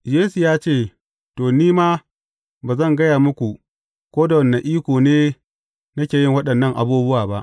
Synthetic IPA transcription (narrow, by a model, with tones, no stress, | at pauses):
jeː˦su˨jaː˦t͡ʃeː˦˨ | toː˨niː˦maː˦ | baː˨zɐ˦˨ŋɡɐ˦jaː˨mʊ˦kʷu˨ | kʷoː˦da˨wɐ˨nːɐ˨ŋʔiː˦kʷoː˨neː˦ | nɐ˦kʲeː˨jɪ˦ŋwɐ˦ɗɐ˨nːɐ˦ŋʔa̰˨buː˦bʊ˦waː˨ba˦ʔ